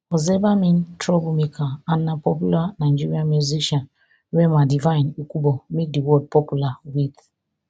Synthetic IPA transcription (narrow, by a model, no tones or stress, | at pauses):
ɔzɛbamĩntɾɔbumikʰaanːapɔp̬julanaɪd͡ʒiɾiamuziʃãn | wɛmadivãĩnukubɔmek̚diwɔd̚pɔpjulawid